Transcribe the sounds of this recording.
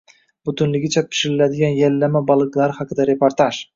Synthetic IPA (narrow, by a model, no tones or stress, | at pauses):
bʊt̪ʊnlɪɡʲɪt͡ʃʰapʰɪ̥ʃɪɾɪlad̪ɪɡʲanjalːamabɑlˠɨklˠaɾɪhaqʰɨd̪aɾe̞pʰoɾt̪ʰaʒ